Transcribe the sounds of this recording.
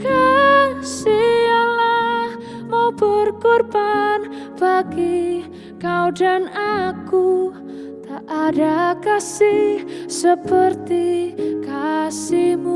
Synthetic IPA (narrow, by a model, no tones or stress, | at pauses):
kansiala | mob̥ərkorban | b̥aki | kawdanaku | t̪aʔːdakasisəpərt̪ikasimu